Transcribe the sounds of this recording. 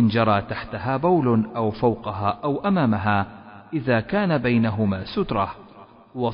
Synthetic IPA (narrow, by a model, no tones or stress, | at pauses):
ʔɪnd͡ʒɑɾˤɑːt̪aħt̪aɦaːbawlʔawfawqɑɦaːʔawʔamaːmaɦaːʔɪðaːkaːnabajnaɦʊmaːsʊt̪ɾˤɑh | wɑ